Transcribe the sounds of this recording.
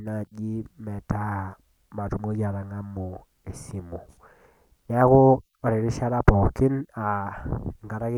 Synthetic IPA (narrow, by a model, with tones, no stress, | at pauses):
na˨d͡ʒi˦mɛ˨ta˦a˨ | ma˨tu˨mo˦d͡ʒa˨ɾa˨ŋa˦mo˨ | e˨si˨mo˨ | ja˦ko˦ | ɔ˨ɾe˨ɾi˦ʃa˦ɾa˦pɔ˨kɪ˦na˨ŋɡa˨ɾa˦ke˦